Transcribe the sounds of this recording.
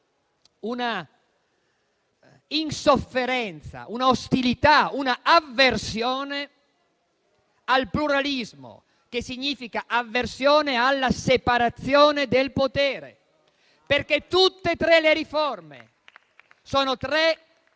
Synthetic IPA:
una | insofːeɾɛnt̪sa̰ʔunaost̪ilit̪aunaavːersjɔːne | alpluɾalizmo̰ | k̟esiɲːiːfikaʔavːersjɔːnealːasepaɾat̪sːjɔːned̪elpot̪ɛːɾḛ | perket̪ːut̪ːet̪ɾɛleɾiformḛ | soːnot̪ɾɛ

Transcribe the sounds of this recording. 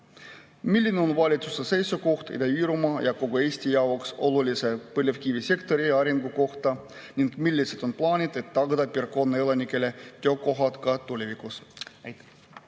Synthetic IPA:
milʲːineo̞nvɑlʲit̪su̥sese̞jsuko̞ht̪ḭd̪eiːɾumɑjɑko̞ɡue̞ːsʲt̪ʲijɑwokso̞lulʲise̞pɤlʲevkivise̞kt̪o̞ɾiɑɾiŋɡuko̞ht̪ɑ | nʲiŋɡ̥milʲːise̞d̪o̞nplɑːnʲid̪̥e̞t̪ːɑɡ̥ɑd̪ɑpirko̞nːeelɑnʲikːˑe̞le̞t̪eøokːo̞ɦɑt̪kɑt̪ːulʲevikus

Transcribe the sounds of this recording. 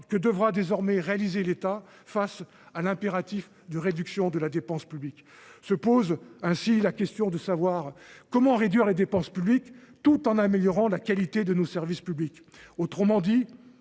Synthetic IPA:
kəd̪əvʁad̪ezɔʁmɛʁealizelet̪a | fas | alɛ̃peʁat̪if | d̪əʁed̪yksjɔ̃d̪əlad̪epɑ̃spyblik | səpozɛ̃silakʲɛst̪jɔ̃d̪əsavwaʁkɔmɑ̃ʁed̪ɥiʁled̪epɑ̃spyblikt̪ut̪ɑ̃nameljɔʁɑ̃lakalit̪ed̪ənosɛʁvispyblik | ot̪χəmɑ̃d̪i

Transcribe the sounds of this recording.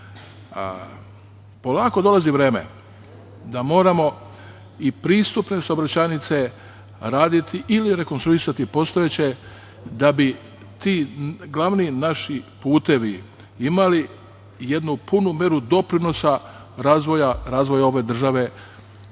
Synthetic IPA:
po̞laːko̞d̪o̞laziʋɾe̞ːmḛ | d̪amo̞ːɾamo̞ | ipɾiːst̪upne̞saobɾat͡ɕajnit̪se̞ | ɾaːd̪it̪iʔiliɾe̞ko̞nst̪ɾuisat̪ipo̞st̪o̞jet͡ɕe̞ | d̪abi | t̪iːɡlˠaʋninaʃipuːt̪e̞ʋi | imali | je̞d̪nupunumje̞ɾud̪o̞pɾino̞sa | ɾaːzʋo̞jaɾaːzʋo̞jao̞ʋe̞d̪r̩ʒaʋe̞

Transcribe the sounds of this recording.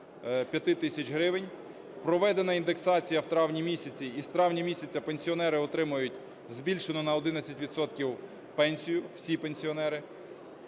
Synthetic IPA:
pʲjɐt̪ɪt̪ɪsʲɐt͡ʃɦɾɪʋɪnʲ | pɾɔʋɛd̪enɐind̪e̞ksɑt͡sʲijɐwt̪ɾɑwnʲimʲisʲɐt͡sʲiːst̪ɾɑwnʲimʲisʲɐt͡sʲɐpenʲsʲiɔnɛɾɪɔt̪ɾɪmʊjʊtʲ | zbʲilʲʃenɔnɐɔd̪ɪnɐt͡sʲɐtʲʋʲid̪sɔt̪kʲiw | pɛnʲsʲijʊw̥sʲipenʲsʲiɔnɛɾɪ

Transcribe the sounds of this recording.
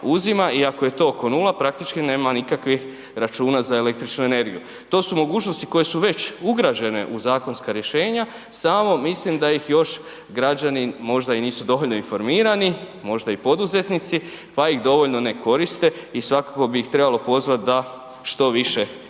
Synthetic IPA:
uzimaʔiakojet̪o̞ːoko̞nulapɾak̚t̪it͡ʃkine̞ːmanikakʋix | ɾat͡ʃuːnazaele̞kt̪ɾit͡ʃnue̞ne̞ɾɡiju | t̪o̞ːsumo̞ɡuːt͡ʃnost̪i̥ko̞je̞suʋe̞t͡ɕuɡɾad͡ʑe̞ne̞̰ʔuzaːko̞nskaɾje̞ʃe̞ːɲa | saːmo̞mislimd̪ajixjo̞ʃ | ɡɾad͡ʑanimo̞ʒd̪ainiːsud̪o̞ʋoʎnoinfo̞ɾmiːɾani | mo̞ʒd̪aipo̞d̪uze̞t̪nit̪si | pajixd̪o̞ʋo̞ʎno̞ne̞ko̞ɾist̪e̞isʋakako̞biixt̪ɾe̞balo̞po̞zʋat̪̚d̪a | ʃt̪o̞ʋiʃe̞

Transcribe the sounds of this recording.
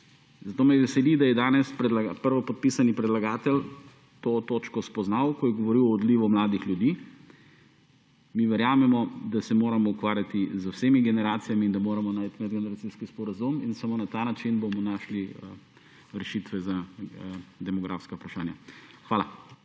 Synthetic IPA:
zat̪oːmɛjʋɛsɛlid̪ajɛd̪aːnɛspɾd̪laɡapəɾʋɔpɔt̪̚pisanipɾɛd̪laɡaːt̪ɛl | t̪oːt̪oːt͡ʃkɔspɔznawkɔjɛɡɔʋɔɾiwɔːd̪liːʋɔmlaːd̪ixlʲjud̪iː | miʋɛɾjaːmɛmɔd̪asɛmoːɾamɔukʋaːɾjat̪izowseːmiɡɛnɛɾaːt̪sijamiːnd̪amoːɾamɔnajt̪mɛd̪ɡɛnɛɾat̪siskispɔɾazuminsamoːnat̪aːnat͡ʃinbomɔnaːʃli | ɾɛʃit̪ʋɛza | d̪ɛmɔɡɾʔa̰ːfskaupɾaʃa̰ːnja̰xʋaːla

